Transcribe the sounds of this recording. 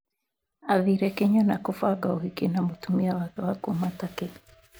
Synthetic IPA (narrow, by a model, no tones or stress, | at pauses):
aðiɾɛkiɲɔnakufwaɡauhikinamutumiawakuwakumataki